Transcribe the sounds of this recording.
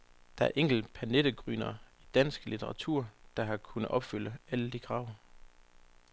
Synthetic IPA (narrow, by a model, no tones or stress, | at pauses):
d̥ɑ̈æɐʔeŋ̰ɡ̥l̩̥pʰæned̥əɡ̥ʁy̰ːnɐid̥æn̰sɡ̥əlit͡sʰeʁɑ̈t͡sʰuɐ̰d̥ɑ̈ɦɑ̈kʰunəð̩ʔɒ̽b̥fyl̰əæləd̥iɡ̥ʰʁɑ̈ʊ̰